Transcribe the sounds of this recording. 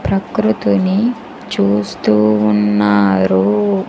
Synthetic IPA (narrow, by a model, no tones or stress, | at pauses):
pɾɐkɾut̪uni | t͡ʃuːst̪uːnːaːɾu